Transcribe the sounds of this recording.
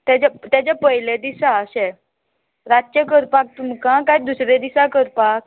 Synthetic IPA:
t̪ed͡ʒet̪ed͡ʒapəɦiled̪isaəʃe | ɾatt͡ʃjəkəɾpak̚t̪umkãkaid̪usɾed̪isakəɾpaːk

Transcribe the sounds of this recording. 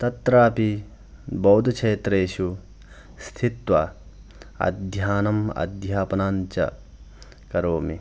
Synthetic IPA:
t̪ɐt̪ɾaːpi | bɐwd̪t͡ʃʰeːt̪ɾeːʃu | st̪ʰit̪ʋa | ɐ̰d̪ʱjaːnɐmɐ̰d̪ʱjaːpɐnaːɲt͡ʃɐ̰ | kɐɾoːmi

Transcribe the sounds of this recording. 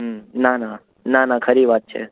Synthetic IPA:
ɦnana | nanakʰəɾiʋat̪̚t͡ʃʰḛ

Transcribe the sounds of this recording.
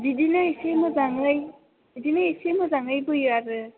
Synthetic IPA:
zidinaisemɯzaŋɯj | idinaisemɯzaŋɯjbɯjaɾɯ

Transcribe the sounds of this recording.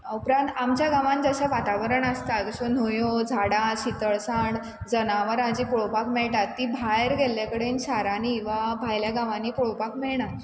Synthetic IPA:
upɾãnt̪amt͡ɕjaɡaʋãnd͡zaɕaʋat̪aʋəɾəɳəst̪aɡəson̤ojod͡zʱaɽaɕit̪əɭsãɳɖ | d͡zənaʋəɾad͡ʑiːpɔɭopakmɛɭʈat̪ːiːbʱajɾɡɛljakəɽenɕaɾaniʋabʱajljaɡãʋãnːiːpɔɭopakmeɭɳa

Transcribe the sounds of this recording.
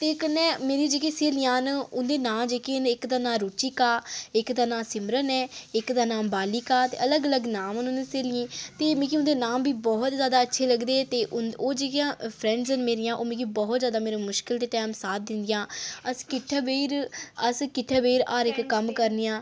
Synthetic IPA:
t̪eːkənːɛ̃ːmeːɾid͡ʒeːkẽːseːlɪjãːnʊnd̪eːnãːd͡ʒeːkeːnɪkd̪aːnãːɾuːt͡ʃiːkaːɪkd̪aːnãːsɪmɾənɛːɪkd̪aːnãːmbaːliːkaːt̪ḛːələɡələɡnaːmənənəseːlɪẽːt̪eːmĩːkiʊ̃nd̪eːnaːmbʱiːbɔːɦt̪zjaːd̪aːətːʃʰeːləɡd̪eːt̪eːʔʊnoːd͡ʒeːkjãːpʰɾɛ̃ːɳɖzənmeːɾɪjãːʔoːmĩːk̬iːbɔːt̪zjaːd̪aːmeːɾõːmʊʃkɪlt̪eːʈɛːmsaːt̪̚d̪ɪ̃nd̪ɪjãːəskɪʈʰːeːbeːɾəskɪʈʰːeːbeːɾaːɾɪkːəmkəɾnɪːãː

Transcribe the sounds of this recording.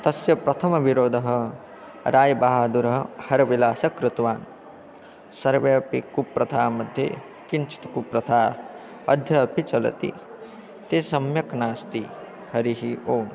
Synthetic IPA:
t̪ɐsjɐpɾɐt̪ʰɐmɐʋiɾoːd̪ʱɐɦɐ̆ | ɾaːjɐbaːɦad̪uɾɐɦɐhɐɾɐʋilaːsɐkɾɪt̪ʋaːn | sɐɾʋɐpikupɾɐt̪ʰaːmɐd̪ʱjḛ | kint͡ʃʰi̥t̪kupɾɐt̪ʰaː | ɐ̰d̪ʱjɐɐpit͡ʃɐlɐ̰t̪ḭ | t̪esɐmjɐknaːst̪i | hɐɾiɦioːm

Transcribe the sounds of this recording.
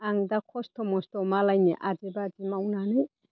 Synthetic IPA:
aŋd̪akʰɔst̪ʰɔmɔstɔmalajnɛ̰ʔad͡ʒɛbad͡ʒimawnanit̚

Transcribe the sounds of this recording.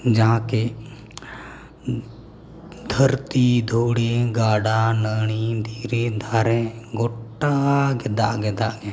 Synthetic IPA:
d͡ʒãːke | d̪ʱəɾt̪iːd̪ʱoːɽeːɡaːɽaːnəːɳ̃iːd̪ʱiːɾeːd̪ʱaːɾẽːɡoːʈːaɡed̪a̰ːɡed̪aːɡe

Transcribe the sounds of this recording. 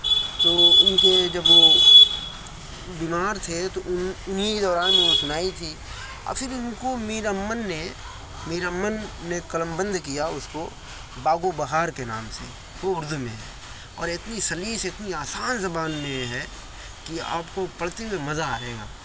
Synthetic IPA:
t̪oːʊnked͡ʒɐbʋo | biːmaːɾt̪ʰet̪oʔʊnʊniked̪ɔːɾaːnʋosʊnaːit̪ʰi | a̰ːpʰɪɾʊnkomiːɾəmːənːe | miːɾəmːənːekɐləmbə̃nd̪ʱkijaʊsko | baːɡobɐɦaːɾkena̰ːmsḛ | ʋoʊɾd̪ʱmḛ̃ɦɛ | ɔ̰ːɾɪt̪nisɐliːseɪt̪niaːsaːnzɐbaːnmẽɦɛ | kia̰ːpkopɐɽt̪emẽmɐzaːɾeːɡa̰ː

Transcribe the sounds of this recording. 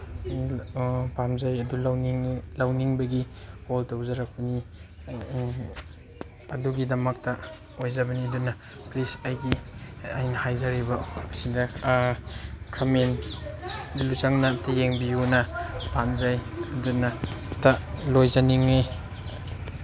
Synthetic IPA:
pamzajɐduwlawniŋbɐɡikoltowzaɾak̚pɐni | ɐduɡidɐmɐk̚tɐ | ojzɐbɐniɐdunɐ | plisajɡiajnɐhajzaɾibɐsidɐ | kʰɐmen | lusaŋnɐtajeŋbijunɐpamzajɐdunɐtalojzaniŋːaj

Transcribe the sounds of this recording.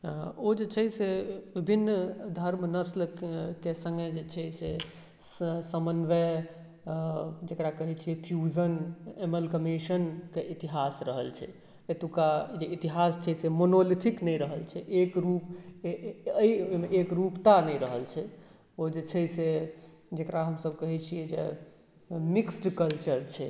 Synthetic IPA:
od͡ʒet͡ʃʰɛjseʋibʱinːd̪ʱəɾmənəslkkesə̃ŋɡəd͡ʒet͡ʃʰɛse | səmənʋe | d͡ʒekɾakəɦɛt͡ʃʰiɛpʰjud͡ʒəneməlkəmiʃənkeʔit̪iɦasɾəɦəlt͡ʃʰɛ̰ | et̪ukad͡ʒeit̪iɦast͡ʃʰɛsemonolit̪ʰiknɛjɾəɦəlt͡ʃʰɛʔekɾup | əieʔekɾupt̪anɛjɾəɦəlt͡ʃʰɛ | od͡ʒet͡ʃʰɛsed͡ʒekɾaɦəmsəb̚kəɦɛt͡ʃʰijɛd͡ʒe | miksʈkəlt͡ʃəɾt͡ʃʰɛ

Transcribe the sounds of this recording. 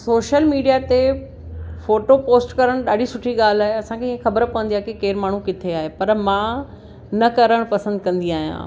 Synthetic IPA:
soːʃəlmiːɖijat̪e | foːʈopoːsʈkɐɾəɽ̃ɗaːɖʱisʊʈʰiɠaːl̤aːɦeɐsãkʰeiɦẽxɐbəɾpɐʋə̃nd̪ijaːkikeːɾmaːɳ̤ukɪt̪ʰeaːɦepɐɾmãː | nɐkɐɾəɽ̃pɐsə̃nd̪̚kɐ̃nd̪iaːɦijã̰ː

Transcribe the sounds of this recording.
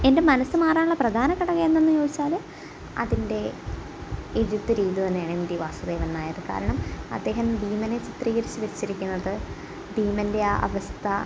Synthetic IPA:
e̞nde̞mɐnɐsɨmaːraːɳuɭːɐprɐd̪ʱaːnɐkɐɽɐkːeːnːenːɨt͡ɕo̞ːdit͡ɕːaːl | ɐ̰ðinde̞ | eðit̪ːɨɾiːðit̪ɐnːe̞jaːɳimdiʋaːsuðe̞ːʋɐnːaːjɐðɨka̰ːɾɐɳɐmɐ̰d̪ːe̞ːɦɐmd̪iːmɐnet͡ɕit̪riːɣɐɾit͡ɕːɨʋet͡ɕːiɾikʲːunːɐðɨ | d̪iːmɐnde̞ɐ̰ʋɐst̪ʰɐ

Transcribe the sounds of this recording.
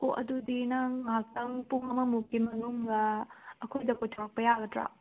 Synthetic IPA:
koʔɐ̰dudinɐŋak̚tɐŋpuŋɐmɐmukːimɐnuŋɡɐɐkʰojdɐkojtʰoɾɐk̚pɐjaɡɐtɾa̰

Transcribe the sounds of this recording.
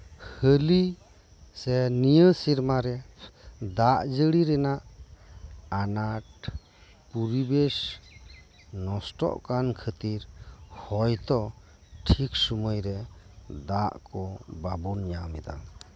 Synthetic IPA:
həli | sɛnijəsiɾmaɾɛ | d̪aʔd͡ʒəɽiɾɛnaʔ | anaʈ | puɾibes | nɔsʈɔ̰ʔkankʰət̪iɾhɔjt̪ɔ | ʈʰik̚sumɔjɾɛd̪aʔkɔbabunjamit̪a̰

